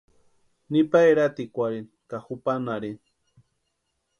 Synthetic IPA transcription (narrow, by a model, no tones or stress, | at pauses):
nipaeɾat̪ikʷaɾin | kaxupanaɾin